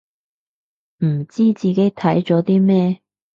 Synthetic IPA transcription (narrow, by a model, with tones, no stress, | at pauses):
m̩˨˩t͡siː˥t͡siː˨ke˨˥jt̪ʰɐ˨˥jt͡sɔː˨˥t̪iː˥mɛː˥